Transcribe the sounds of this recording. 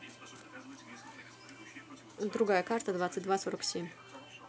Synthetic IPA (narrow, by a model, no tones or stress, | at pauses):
d̪ɾʊɡajəkart̪əd̪vat̪sɨt̚ʲd̪vasoɾəksʲemʲ